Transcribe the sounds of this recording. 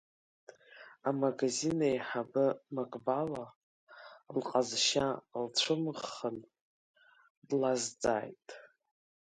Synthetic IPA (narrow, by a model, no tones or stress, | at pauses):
amaɡazinajħabɨmakʼbala | lqʼazʃalt͡ɕʷʰɨmʁən | dlazt͡sʼa̰ːjtʼ